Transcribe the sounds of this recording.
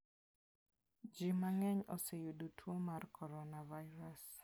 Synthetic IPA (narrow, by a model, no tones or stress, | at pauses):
d͡ʒimaŋɛɲosejudotʰwomarkʰɔɾɔnavaɪɾas